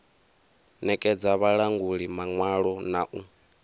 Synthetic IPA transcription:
nɛkʼɛd͡zaβaɺaŋɡuɺimaŋwaɺɔnaʔu

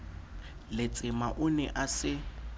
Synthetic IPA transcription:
lɪt͡sʼɪmaʔʊnɛʔasɪ

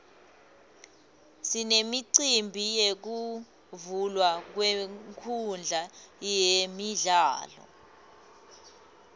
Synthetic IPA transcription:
sinemiǀimbʱijek̬u | vulwak̬weŋkʰund͡ɮʱajemiɮaːlɔ̰

